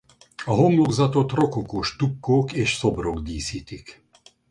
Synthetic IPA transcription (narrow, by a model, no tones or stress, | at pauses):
aɦomloɡzat̪ot̪ɾɔkokoʃt̪up̚koːkeʃsɔbɾokd̪iːsit̪ik